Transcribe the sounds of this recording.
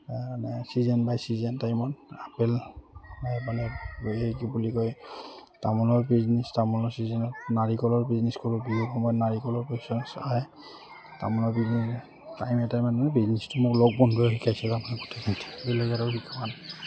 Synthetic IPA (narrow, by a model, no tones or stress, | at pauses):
amanɛsizɛnbajsizɛntajmɔnapɛlbajpanɛejkibulikɔjtamɔnɔɹbiznistamɔnɔɹsizɛnɔtnaɹikɔlɔɹbizniskɔɹubiɦɔkʰɔmɔjnaɹikɔlɔɹpesɔnsaj | ta̰mɔnɔɹbiznɛs | tajmɛtajmananɛbiznɛstʊmʊklɔk̚bɔnbɔjɦikʰajsɛzamanɛɡutʰekintʰi̥bilɔzaɾɔhikʰapan